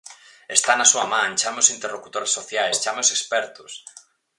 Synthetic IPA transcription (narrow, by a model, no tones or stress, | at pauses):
est̪anasuamãŋt͡ʃameʊsint̪erlokut̪oɾesːoθjajst͡ʃamɪosekspɛɾt̪ʊs